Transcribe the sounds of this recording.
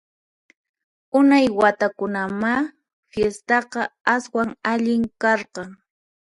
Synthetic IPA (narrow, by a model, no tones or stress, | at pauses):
ʊnajwat̪akʊnama | fjest̪ɑqɑaswaŋaʎɪŋkɑɾqɑŋ